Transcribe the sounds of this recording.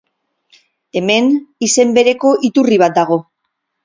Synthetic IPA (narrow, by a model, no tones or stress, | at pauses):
e̞me̞nise̞mbe̞ɾe̞ko̞ʔit̪uriβ̞at̪̚d̪aɣ̞o̞